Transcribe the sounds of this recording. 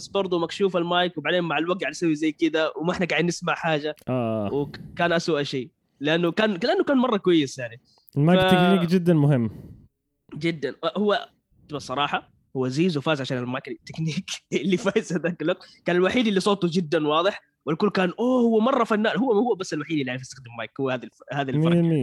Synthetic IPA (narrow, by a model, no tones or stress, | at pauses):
sbɑɾˤd̪ˤumakʃuːfalmaːjkwɪbaʕd̪eːnmaʕalwak̚t̪̚ɡaʕd̪sawːizajːkɪd̪awɪmaʔɪħnaɡaʕɪd̪nɪsmaʕħaːd͡ʒaʔaːwɪkaːnʔaswaʔʃiː | lɪʔanːukaːnlɪʔanːʊkaːnmɑrˤːɑkwajːɪsjaʕni | lmaj̪kniːkd͡ʒɪd̪ːanmʊɦɪmː | d͡ʒɪd̪ːanahʊwːa | t̪ɪbasˤɑɾˤɑːħɑ | hʊwːaziːzwfaːzʕaʃaːnalmakt̪ːɪkniːkɪlːifaːjɪzhad̪aːkalːaqkaːnalwaħiːd̪ɪlːisˤoːt̪ˤud͡ʒɪd̪ːanwɑːðˤɨħ | walkʊlːkaːnʔoːhʊwːamɑrˤːɑfanːaːnhʊwːamhʊːabasːalwaħiːd̪ʔɪlːiʕaɾfɪst̪ḁxd̪ammajkhuwːaaːðilhaːðalfɑmi